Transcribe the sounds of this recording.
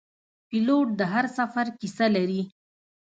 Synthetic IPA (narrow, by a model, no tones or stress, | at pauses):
piloʈ̚d̪əɦaɾsafaɾkisalaɾi